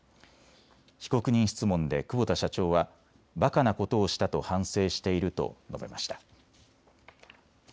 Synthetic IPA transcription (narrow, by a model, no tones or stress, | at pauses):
çi̥ko̞kɯ̟ɲ̟ĩɰ̃ɕi̥t͡sɨmõ̞nd̪e̞kɯ̟bot̪aɕat͡ɕo̞ːβa | bakanako̞t̪o̞ːɕi̥t̪at̪o̞hãɰ̃se̞ːɕi̥t̪e̞iɾɯ̟t̪o̞̰no̞̰be̞̰maɕi̥t̪ḁ